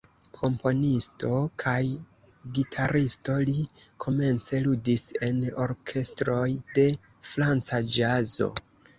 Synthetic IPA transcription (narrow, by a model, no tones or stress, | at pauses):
kʰo̞mpo̞nisto̞kʰaj | ɡitʰaɾisto̞likʰo̞me̞nt͡se̞ludise̞no̞ɾkʰe̞stɾo̞jde̞ | fɾant͡sad͡ʒazo̞̰